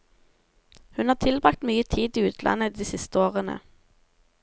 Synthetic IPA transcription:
hʉnɑːt̪ʰɪlbʁɑkt̪myːət̪ʰiːd̪iːʉːt̪ʰlʔɑ̰nəd̪iːsɪst̪əoːʁənə̰

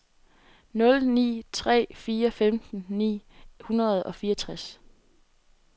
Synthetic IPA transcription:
nɔ̽lnḭːt͡sʰʁɛ̰ːfiːɐfemd̥n̩nḭːhunɐð̞̩ˠɒ̽fiːɐt͡sʰʁas

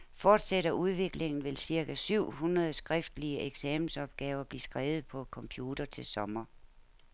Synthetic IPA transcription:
fɒːd̥seɾɐʔuð̞ˠʋe̝ɡ̥le̝ŋn̩ʋe̝lsiɐkʰæsyʊ̰hunʁɐð̞̩ˠsɡ̥ʁɛfd̥liəʔeɡ̥sɛmn̩l̩sɒ̽b̥̚ɡ̥ɛːʊɐb̥liːsɡ̥ʁɛːʊð̩ˠpʰɒ̽kʰɒ̽mpʰjuːd̥ɐt͡sʰe̝lsɒ̽mɐ

